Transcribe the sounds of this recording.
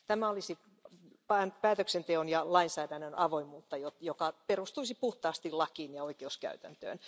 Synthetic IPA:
t̪æmæolisit | pænpæːt̪øksent̪eonjɑlɑinsæːdænːønɑʋoimuːt̪ːɑjot̪jokɑperust̪uisipuht̪ɑːst̪ilɑkiːnjɑoikeuskæ̰yt̪æ̰nt̪ø̰ːn

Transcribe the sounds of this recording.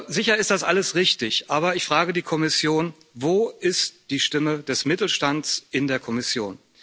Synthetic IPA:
zɪçɐɪst̚d̥asʔa̰ləsʁɪçtɪçʔaːbɐɪçfʁ̥aːɡədiːkʰɔmɪsjoːn | voːʔɪstd̥iːʃtɪmədɛsmɪtl̩ʃtantt͡sʔɪndeːɐkʰɔmɪsjo̰ːn

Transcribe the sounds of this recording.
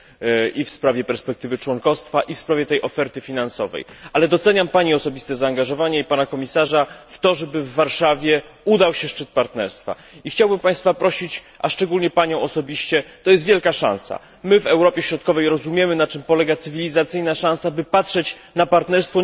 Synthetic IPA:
ifspɾavʲjɛpɛɾspɛk̚t̪ɘvɘt͡ʂwɔŋkɔfst̪faʔifspɾavʲjɛt̪ɛjʔɔfɛɾt̪ɘfʲinansɔvɛ̰jalɛd̪ɔt̪sɛɲampaɲiɔsɔbʲist̪ɛzaːŋɡaʐɔvaɲɛipanakɔmʲisaʐaft̪ɔʐɛbɘvːaɾʂavʲjɛud̪awɕɛʂt͡ʂɘt̪̚paɾt̪nɛɾst̪fa̰ | ixt͡ɕawbɘmpãj̃st̪fapɾɔɕit͡ɕa̰ʂt͡ʂɛɡulɲɛpaɲɔ̃w̃ɔsɔbʲiɕt͡ɕɛt̪ɔjɛst̪vʲjɛlkaʂã̰nsa̰ | mɘvɛwɾɔpʲjɛɕɾɔt̪̚kɔvɛjɾɔzumʲjɛmɘnat͡ʂɘmpɔlɛɡat̪sɘvʲilʲizat̪sɘjnaʂãnsabɘpatʂɛt͡ɕ | napaɾt̪nɛɾst̪fɔ

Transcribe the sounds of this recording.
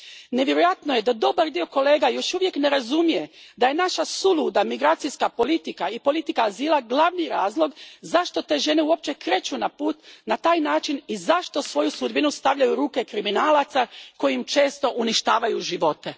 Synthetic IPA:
neʋje̞ɾojat̪noje̞d̪ad̪o̞baɾd̪io̞ko̞le̞ːɡajo̞ʃuʋje̞kne̞ɾazumije̞d̪aje̞naʃasulˠud̪amiɡɾaːt̪sijskapo̞lit̪ikaipo̞lit̪ikaːziːlˠaɡlˠaʋniɾaːzlˠo̞ɡzaʃt̪o̞t̪e̞ːʒe̞neuo̞p̚t͡ɕe̞kɾe̞t͡ɕunapuːt̪nat̪aːjnaːt͡ʃinizaʃt̪o̞sʋo̞jusud̪binust̪aʋʎajuɾuːke̞kɾiminaːlat̪sako̞jimt͡ʃe̞ːst̪o̞ʔuniʃt̪aːʋajuʒiʋo̞t̪e̞

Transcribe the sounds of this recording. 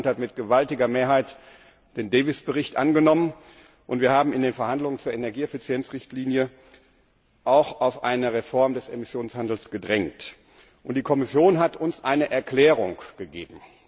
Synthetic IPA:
nthatmɪtɡ̥əvaltɪɡɐmeːɐɦaɪt | d̥eːndɛɪvɪsb̥əʁɪçtʔanɡənɔmən | ʔʊntv̥iːɐhaːbm̩ɪndeːnfɛɐhandlʊŋənt͡suːɐʔenɛɐɡiːɛfɪt͡sjɛnt͡sʁɪçtʰliːnjə | ʔaʊxaʊfʔa̰ɪnəʁefɔɐmdɛsemɪsjoːnshandl̩sɡ̥ədʁɛŋk̚t | ʔʊntd̥iːkʰɔmɪsjoːnɦatʰʊnsʔaɪnəʔɛɐkl̥ɛːʁʊŋɡ̥əɡḛːbm̩

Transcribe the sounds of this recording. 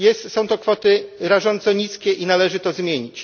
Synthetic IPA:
jɛst̪sɔ̃w̃t̪ɔkfɔt̪ɘɾaʐɔnt̪sɔɲiskʲɛʔinalɛʐɘt̪ɔzmʲjeɲit͡ɕ

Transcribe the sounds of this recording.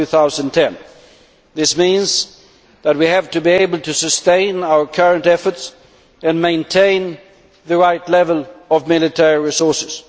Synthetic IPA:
ʉθaʊz̃ntʰɛ̃n | ðɪsmĩnz | ðət̚wihæv̥tɨbieɪbəl̩ˠtʰɨsɨstẽɪ̃naʊə˞kʰɜ˞ɨ̃ntɛfə˞ts | ɨ̃nmẽɪ̃ntʰẽɪ̃n | ðɨɹaɪtlɛvəl̩ˠʌvmɪlˠɨtʰɛɹiɹisɔɹsɨz̥

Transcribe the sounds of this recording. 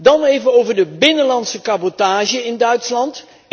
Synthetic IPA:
dɑnejvəowvəɹdəbɪnənlɑntsəkabotaːʒəɪndœɥtslɑnt

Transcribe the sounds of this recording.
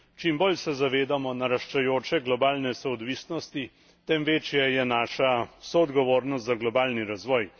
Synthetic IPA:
t͡ʃimbolsɛzaʋeːd̪amɔnaɾaʃt͡ʃajoːt͡ʃɛɡlɔbaːlnɛsɛɔd̪ʋiːsnɔst̪i | t̪ɛmʋeːt͡ʃjɛjɛnaːʃasɔːd̪ɡɔʋoːɾnɔst̪zaɡlɔbaːlniɾazʋɔːj

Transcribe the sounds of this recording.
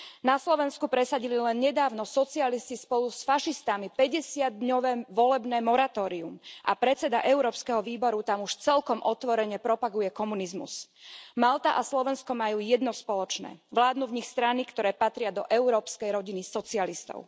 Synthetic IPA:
naslɔʋɛnskupɾɛsaɟililɛnɲɛd̪aːʊnɔsɔt͡sialiscispɔlusfaʃist̪amipɛɟɛsɪad̪ɲɔʋɛːʋɔlɛbnɛːmɔɾat̪ɔːɾiumʔa̰pɾɛt͡sɛd̪a̰ʔɛʊɾɔːpskɛɦɔʋiːbɔɾut̪amuʃt͡sɛlkɔmʔɔt̪ʋɔɾɛɲɛpɾɔpaɡujɛkɔmunizmṵsmalt̪aʔaslɔʋɛnskɔmajuːjɛd̪nɔspɔlɔt͡ʃnɛ̰ːʋlaːd̪nuːvɲixst̪ɾanikt̪ɔɾɛːpat̪ɾɪad̪ɔʔɛʊɾɔːpskɛjɾɔɟinisɔt͡sialist̪ɔ̰ʊ

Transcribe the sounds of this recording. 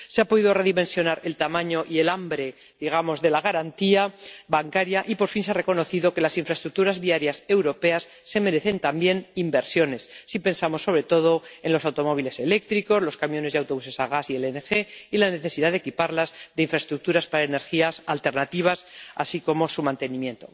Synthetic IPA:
seapo̞ðiðo̞re̞ðimẽ̞nsjo̞naɾe̞lt̪amãɲo̞ʔie̞lambɾe̞ | ðiɣ̞amo̞zðe̞laɣaɾant̪iaβaŋkaɾjaʔipo̞ɾfinseare̞ko̞no̞θiðo̞ke̞lasiɱfɾaet̪ɾuk̚t̪uɾazβiaɾjase̞wɾo̞pe̞asːe̞me̞ɾe̞θe̞nt̪ambje̞nimbe̞ɾsjo̞ne̞sːipe̞nsamo̞sːo̞βɾe̞t̪o̞ð̞o̞e̞nlo̞sawt̪o̞mo̞β̞ile̞se̞le̞k̚t̪ɾiko̞zlo̞skamjo̞nezðawt̪o̞βuse̞saɣ̞asielenexe̞ilane̞θe̞siðaðekipaɾlazðe̞iɱfɾaest̪ɾuk̚t̪uɾaspaɾaene̞ɾxiasalt̪e̞ɾnat̪iβ̞asa̰siko̞mo̞sumãnt̪e̞nĩmje̞nt̪o̞̰

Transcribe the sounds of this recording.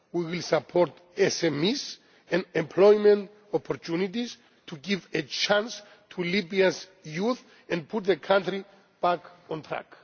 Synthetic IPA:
wiwilsapʰɔɾt | ɛsɛmis | ɛ̃nɛ̃mpʰlɔjmɛ̃nt | ɔpʰɔɾtʰunitis | tʰuɡivet͡ʃãns | tʰulibiazjuθ | ɛ̃n̚pʰut̪̚ðəkʰãntɹi | b̥akɔ̃nt̪ʰɹa̰k

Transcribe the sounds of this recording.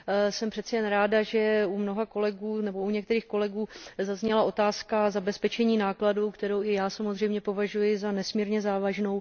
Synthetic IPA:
sɛmpr̝̥ɛt̪t͡sɛjɛnɾaːdaʒɛumno̞ɦako̞lɛɡuːnɛbo̞uɲɛkt̪ɛɾiːxko̞lɛɡuːzazɲɛlaʔo̞t̪aːskazabɛspɛt͡ʃɛɲiːnaːkladuwkt̪ɛɾowɪjaːsamozrɛjmɲɛpo̞vaʒujɪzanɛsmiːɾɲɛzaːvaʒno̞w

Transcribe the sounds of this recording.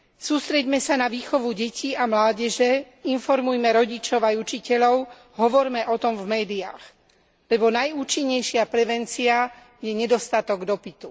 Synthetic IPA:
suːst̪ɾɛɟmɛsanaʋiːxɔʋuɟɛcʰiamlaːɟɛʒɛ | infɔɾmujmɛɾɔɟit͡ʃɔʊajut͡ʃicɛʎɔʊ | ɦɔʋɔɾmɛʔɔt̪ɔmvmɛːd̪ia̰ːx | lɛbɔnajuːt͡ʃiɲːɛjʃɪapɾɛʋɛnt͡sia | jɛɲɛd̪ɔst̪at̪ɔɡd̪ɔpit̪u

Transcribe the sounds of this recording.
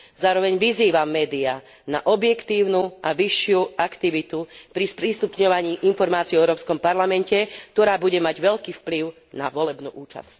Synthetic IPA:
zaːɾɔʋɛɲʋiziːʋamːɛːd̪ia | na̰ʔɔbjɛkt̪iːʊnuʔaʋiʃːɪuakt̪iʋit̪upɾispɾiːst̪upɲɔʋaɲiːʔinfɔɾmaːt͡siɔɛʊɾɔːpskɔmpaɾlamɛncɛk̚t̪ɔɾaːbuɟɛmaɟʋɛʎkiːfpliʊ | na̰ʋɔlɛbnuːʔuːt͡ʃa̰sc

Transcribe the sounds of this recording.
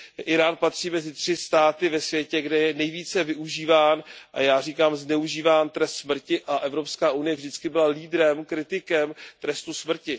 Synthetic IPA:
ʔɪɾaːnpat̪r̝̥iːmɛzɪt̪r̥ɪst̪aːt̪ɪvɛsvjɛcɛɡdɛjɛnɛjviːt͡sɛvɪʔuʒiːvaːnʔa̰jaːriːkaːmznɛuʒiːvaːnt̪ɾɛst̪smr̩cɪʔaʔɛvɾopskaːʔunɪjɛvʒdɪt͡skɪbɪlaliːdɾɛmkɾɪt̪ɪkɛmt̪ɾɛst̪usmr̩cɪ

